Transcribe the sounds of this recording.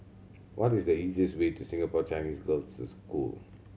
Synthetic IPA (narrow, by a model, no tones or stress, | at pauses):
wʔɔtisdəiziəstwetusɪ̃ŋapɔt͡ʃãɪ̃nisɡɔltsuskṵl